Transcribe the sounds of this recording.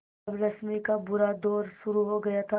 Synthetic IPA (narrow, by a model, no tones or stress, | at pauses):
bɾɐsmikabʊɾad̪oːɾʃʊɾuɦoɡɐjat̪ʰa